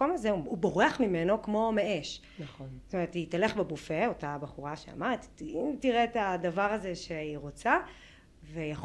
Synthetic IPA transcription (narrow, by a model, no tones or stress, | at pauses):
omazeuubo̞ʁeaχmimeno̞kmo̞meʔeʃ | naχonst̪ome̞ʁetit̪aleχbebufeo̞tabaχuʁaʃea̰maʁet̪imtiʁetadavaʁaze̞ʃeiʁo̞t͡sa | vejaχ